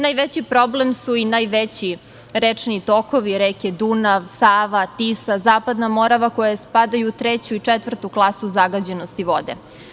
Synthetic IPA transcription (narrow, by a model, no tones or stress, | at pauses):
najʋet͡ɕipɾo̞blemsuinaːjʋet͡ɕi | ɾet͡ʂniit̪o̞ko̞ʋiɾeked̪unaʋsaːʋat̪isazaːpad̪namo̞ɾaʋakojespad̪ajut̪ɾet͡ɕuit͡ʂet̪ʋr̩t̪uklˠasuzaɡad͡ʑenost̪iʋo̞d̪ḛ